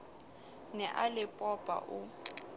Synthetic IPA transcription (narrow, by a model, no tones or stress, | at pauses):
nɛʔalɪpʼɔpʼa̰ʔʊ